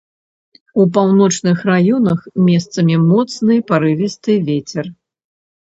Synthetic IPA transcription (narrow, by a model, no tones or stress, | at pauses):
upawnɔt͡ʂnɨxrajɔnɐxmʲɛst̪sɐmʲimɔt̪snɨjpaɾɨvʲist̪ɨvʲet͡sʲɛr